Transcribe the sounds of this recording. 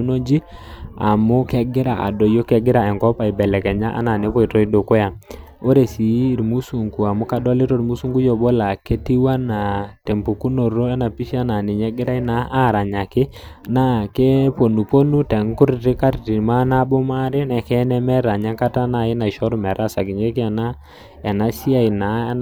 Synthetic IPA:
u˦no˦d͡ʒi˦ | a̰˨mʊ˦kɛ˦ɡɪ˦ɾa˨a̰˨dɔ˨jo˦kɛ˨˦ɡɪ˦ɾa˨ɛ˨ŋkɔ˦pa˨i˨bɛ˨lɛ˨kɛ˨ɲa˦ʔa̰˦na˨ne˦pɔ˦i˨tɔ˦i˦do˨kʊ˦ja˨ | o˦ɾe˨si˨˦˨ɾmu˦su˨ŋɡu˨a˨mʊ˦ka˨da˦le˦to˦˨ɾmu˦su˦ŋɡu˦jɔ˨bɔ˦la˨ke˦ti˦wa˦na˨te˨mpu˨ku˦no˨ɾo˦ɛ˦na˨pi˦ʃa˦na˨ni˨ɲɛ˦ɡɪ˦ɾa˦i˦na˨˦ʔa˦˨ɾa˨ɲa˨kɪ˦na˦ke˦po˨nu˨po˦nu˦tɛ˨ŋ˦kʊ˦ɾtɪ˦ka˦ɾti˨ma˦na˦bɔ˦ma˦ɾɛ˦nɛ˨kɛ˦nɛ˦mɛ˦ɾa˨ɲa˦ka˦ta˦na˦˨ɪ˦na˨i˨ʃɔ˦ɾu˦mɛ˨ɾa˦˨sa˨kɪ˨ɲe˦kɪ˦ɛ˨na˦ | ɛ˨na˦ʃi˦a˦˨i˨na˨˦

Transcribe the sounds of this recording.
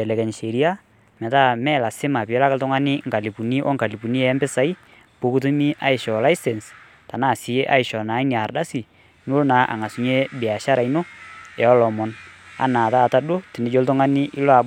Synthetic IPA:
ɛ˨lɛ˨kɛ˨nʃe˨ɾi˦a˦ | mɛ˨ta˦mɛ˦˨la˨sɪ˦ma˨pɪ˨ɛ˦la˦ka˦ltʊ˦ŋa˦nɪ˦ŋɡa˨li˨pu˨ni˦ʔɔ̰˦ŋɡa˨li˨pu˨ni˦ɛ˨˦mbɪ˦sa˨˦i˦ | po˨˦ku˦t̬u˦mi˦ʔa˦ɪ˨ʃɔ˨la˦ɪ˦sɛ˨ns | ta˨na˦˨si˨˦ʔa̰˦ɪ˨ʃɔ˨na˨˦i˦ni˨a˨rda˦si˨ | mu˦na˨˦ʔa̰˨ŋa˨su˨ɲe˦bɪ˨a˨ʃa˦ɾa˨ino˦ɛ˨ɔ˦lɔ˨mɔ˨na̰˦na˨ta˦˨ta˦do˦ti˨nɪ˨˦d͡ʒo˦ltʊ˦ŋa˦nɪ˦ʔi˦lɔ˦a˨b

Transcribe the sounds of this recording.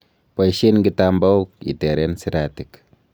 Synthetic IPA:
pa˨jʃe˦nŋɡitamba˦u˦k̚ḭ˨tɛ˨ɾɛnsiɾatik

